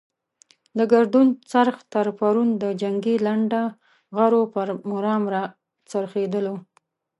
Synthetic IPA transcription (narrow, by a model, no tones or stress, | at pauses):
d̪əɡaɾd̪unt͡saɾxt̪aɾpaɾund̪əd͡ʒaŋɡilaɳɖa | ɣaɾopəɾmʊɾɑmɾa | t͡saɾxed̪əlo